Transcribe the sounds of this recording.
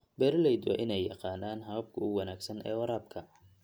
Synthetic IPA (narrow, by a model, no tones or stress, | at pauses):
bɛɾlɛjd̪ɔ̰ʔɪnɛjːɑqɑːnaːnɦɐɐb̚kʰʊʊwɑnaːɡsɐnʔɛ̰ːwɑɾaːbkʰɐ